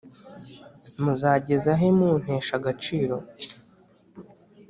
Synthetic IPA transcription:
muzaːɟe̞zaɦemun̥eːʃaɡat͡ʃiːɾo̞

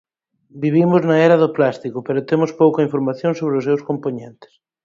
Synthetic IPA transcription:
biβ̞imʊznaɛɾɐðʊplast̪ikʊpeɾʊt̪emospowkɐiɱfoɾmaθjõŋsoβ̞ɾɪʊsmewskompoɲẽnt̪ɪ̥s

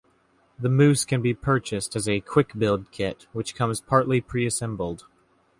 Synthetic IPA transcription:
ðɨmʉskʰɨ̃nbipʰɜ˞t͡ʃɨstɨzɨkʰw̥ɪkbɪlˠd̚kʰɪt̚wɨt͡ʃkʰʌ̃mz̥pʰɑɹʔˡlipʰɹ̥iɨsɛ̃mbl̩ˠd̥

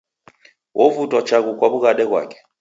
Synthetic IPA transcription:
wʔɔvutɔt͡ʃaɣukwaɓuɣaɗɛɣwa̰kɛ̥

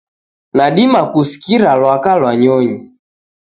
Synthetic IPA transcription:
naɗimakusi̥kiɾalwakalwaɲɔɲi

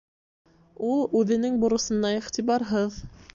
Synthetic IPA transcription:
ulˠʉðɘ̆nɘŋbŭɾɤ̆sɤ̆nɑiχt̪iβɑɾɦɤð

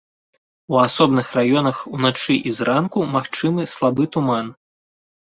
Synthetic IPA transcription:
uasɔbnɨxrajɔnɐxunat͡ʂɨʔizrʔankumaxt͡ʂɨmɨslˠabɨt̪uman

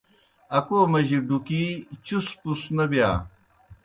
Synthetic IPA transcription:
ɐkoːmɐʑiɖukiːt͡ɕuspusnɐbija̰ː

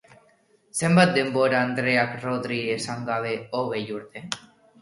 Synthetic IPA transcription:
se̞mbat̪̚d̪e̞mbo̞ɾaːnd̪ɾe̞akroðɾiesaŋɡaβ̞e̞oɣ̞e̞juɾt̪e̞

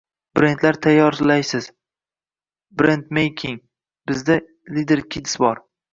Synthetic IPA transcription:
b̥ɾe̞nt̪laɾt̪ʰajːɒɾlajsɪz | bɾe̞nt̪mejkʲʰɪŋ | b̥ɪzd̪a | lid̪eɾkʲʰɪd̪ɪ̥sbɒɾ

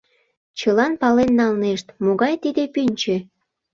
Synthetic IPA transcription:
t͡ɕəlɑnpɑlenːɑlneʃt̪moɣɑjt̪id̪epynʲt͡ɕe

